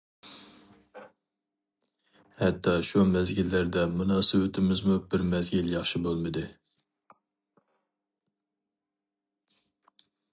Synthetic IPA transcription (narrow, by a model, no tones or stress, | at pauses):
hɛt̪ʰːɑʃumɛzɡʲilːæɾd̪ɛmunɑːsɪwɪt̪ʰɪmɪzmubɪɾmɛzɡʲiljɑχʃibolˠmɨd̪ɨ